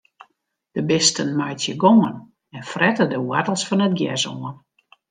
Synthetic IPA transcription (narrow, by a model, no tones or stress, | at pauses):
d̥əbɪstənmajtjəɡoŋən | ɛnfrɛtədəwatəlˠsfɔnət̚ɡjɛzoən